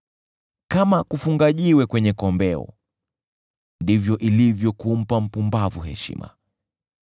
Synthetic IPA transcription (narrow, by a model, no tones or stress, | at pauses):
kamakufuŋɡaʄiwɛkwɛɲɛkɔmbɛɔ̰ | ndivjɔʔilivjɔkum̩pam̩pumbavuɦɛ̰ʃḭmʔa̰